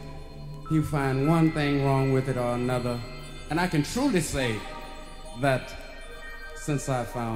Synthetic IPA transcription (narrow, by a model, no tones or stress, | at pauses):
jɨfãɪ̃nd̚wʌ̃nθɪ̃ŋɹɔ̃ŋwɨðɨɾə˞ənʌðə˞ | ɨ̃ñaɪkɨ̃ntʰɹ̥ulˠiseɪ | ðɨt | sɪ̃nsaɪv̥fãʊ̃